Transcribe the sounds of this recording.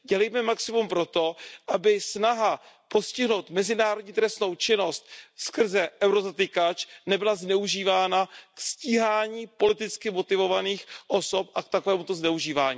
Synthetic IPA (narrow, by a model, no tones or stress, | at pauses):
ɟɛlɛjmɛmaksɪmumpɾo̞t̪o̞ʔabɪsnaɦa | po̞scɪɦno̞wt̪mɛzɪnaːɾodɲiːt̪ɾɛst̪no̞wt͡ʃɪno̞st̪̚skr̩zɛʔɛwɾozat̪ɪkat͡ʃnɛbɪlaznɛuʒiːvaːnaksciːɦaːɲiːpo̞lɪt̪ɪt͡skɪmo̞t̪ɪvo̞vaniːxʔo̞so̞pʔak̚t̪akovɛːmut̪oznɛuʒiːvaːɲiː